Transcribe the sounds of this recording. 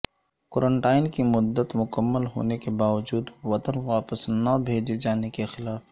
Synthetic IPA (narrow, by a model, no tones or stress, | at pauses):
koɾəɳʈaːɪnkimʊd̪ːət̪mʊkəmːəlɦo̰ːnekebaːʋəd͡ʒuːd̪ʋɐt̪ənʋaːpəsnɐbʱeːd͡ʒed͡ʒaːnekexɪlaːf